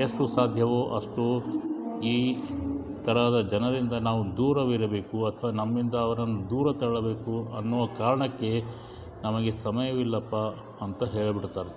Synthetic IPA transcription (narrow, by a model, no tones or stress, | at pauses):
eʂʈusaːd̪ʱjɐʋoːʔɐʂʈu | iː | t̪ɐɾad̪ɐd͡ʒɐnɐɾind̪ɐnaːʋud̪uːɾɐʋiɾɐbe̞ːkuɐt̪ʰɐʋaːnɐmːind̪ɐːʋɐɾɐnːud̪uːɾɐt̪ɐɭɐbe̞ːkuɐnːuːʋɐkaːɾɐɳɐkːe̞ | nɐmɐɡe̞sɐmɐjɐʋilːɐpːa | ɐnt̪ɐɦeːɭɐbiɽt̪aːɾ